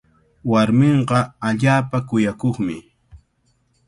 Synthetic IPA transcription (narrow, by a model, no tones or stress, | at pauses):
waɾmɪɴɢɑaʎaːpakʊjakoχmɪ